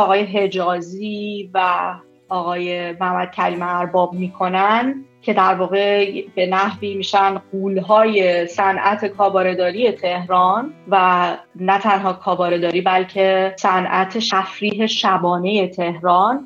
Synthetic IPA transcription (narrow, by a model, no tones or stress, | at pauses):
ɒːɣɒːje̞ɦe̞d͡ʒɒːziːvæ | ɒːɣɒːjemæhmæd̪̚cʰæɾiːmeæɾbɒːbmiːkʰo̞næncʰe̞d̪æɾvɒːɣe̞be̞næhviːmiːʃænɢuːlɦɒːje̞sænʔæt̪ʰe̞kʰɒːbɒːɾe̞d̪ɒːɾije̞t̪ʰe̞hɾɒːnvænæt̪ʰænɦɒːkʰɒːbɒːɾe̞d̪ɒːɾiːbælcʰe̞sænʔæt̪ʰeʃæfɾiːɦe̞ʃæbɒːne̞je̞t̪ʰe̞hɾɒːn